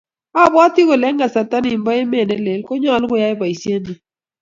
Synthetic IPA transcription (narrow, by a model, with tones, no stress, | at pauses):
a˦˨bti˦ko˨lɛ˦ŋɡa˨sa˨ta˦ni˨mbɔ˦e˦me˦˨nɛ˦le˨lkɔ˦ɲɔ˦˨lɡʊ˦ja˦ɪ˦ba˨i˨sje˦ni˨